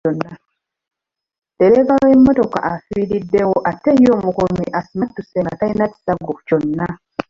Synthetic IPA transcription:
onːa | deɾeβaloemːo̞to̞ka̰ʔafwiɾidːe̞woʔatːejoːmukuumiʔasimatːuseŋɡatainati̥saɡoco̞nːa

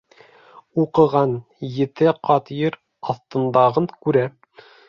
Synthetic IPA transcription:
uqɤ̆ʁɑn | jɘ̆t̪ɘqɑt̪jɤɾ | ɑθt̪ɤ̆nd̪ɑʁɤɴkʉɾæ

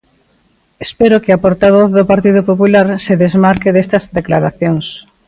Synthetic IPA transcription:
espeɾʊkɪapoɾt̪aβ̞oθðopaɾt̪iðopopulaɾseðezmaɾkeðest̪ɐzd̪eklaɾaθjoŋs

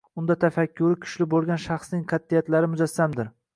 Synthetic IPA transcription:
ʊnd̪at̪ʰafakʲʰːʊɾɪkʲʰʊ̥ʃlɪbolˠɡʲanʃɑχsnɪŋqʰɑt̪ːijat̪laɾɪmʊzasːamd̪ɪɾ

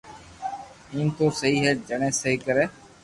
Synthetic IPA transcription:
iːnt̪oːsəɦiːɦɛːd͡ʒəɳẽːsəɦiːkəɾeː

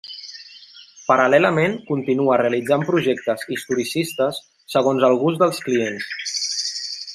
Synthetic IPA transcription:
pəɾəlɛləmeŋkunt̪inuəreəlid͡zampɾuʒɛk̚t̪əzist̪uɾisist̪əsː | əɣonzəlˠɣuzd̪əlˠskliens

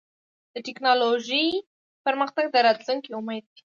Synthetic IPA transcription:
d̪̥əʈɪknɑloʒi | pəɾməxt̪aɡ̚d̪əɾɑt̪luŋkiumed̪̚d̪i̥

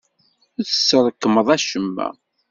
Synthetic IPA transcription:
θə̥sːəɾˤəkːəməðˤæʃəmːæ̰

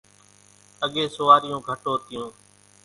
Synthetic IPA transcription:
əɠeːsʊːʋaːɾɪjũːɡʱəʈoːt̪ɪjũː

